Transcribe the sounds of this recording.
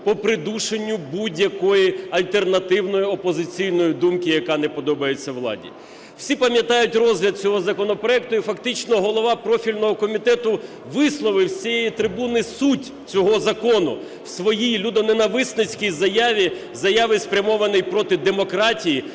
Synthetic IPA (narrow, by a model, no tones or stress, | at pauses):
pɔpɾɪd̪uʃenʲːʊbudʲjɐkɔjiɐlʲt̪e̞rnɐt̪ɪwnɔjiɔpɔzɪt͡sʲijnɔjid̪umkɪjɐkɑnɛpɔd̪ɔbɐjet͡sʲːɐʋlˠɑ̰dʲḭ | wsʲipɐmʲjɐt̪ɑjʊtʲrɔzɦlʲɐd̪̚t͡sʲɔɦɔzɐkɔnɔpɾɔɛk̚t̪ʊifɐkt̪ɪt͡ʃnɔɦɔlˠɔʋɑpɾɔfʲilʲnɔɦɔkɔmʲit̪ɛt̪ʊ | ʋɪslˠɔʋɪwt͡sʲijejit̪ɾɪbunɪsutʲ | t͡sʲɔɦɔzɐkɔnʊ | wsʋɔjijlʲud̪ɔnenɐʋɪsnɪt͡sʲkijzɐjɑʋʲi | zɐjɑʋɪspɾʲɐmɔʋɐnɪjpɾɔt̪ɪd̪emɔkɾɑtʲiji